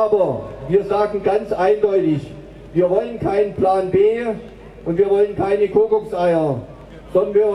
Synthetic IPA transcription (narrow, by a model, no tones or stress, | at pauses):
ʔaːbɐviːɐzaːɡŋ̩ɡant͡sʔaɪndɔʏtɪç | viːɐvɔlənkʰaɪnənpl̥aːnbeː | ʔʊntv̥iːɐvɔlənkʰaɪnəkʰoːkɔksʔaɪɐ | z̥ɔndɐnviːɐ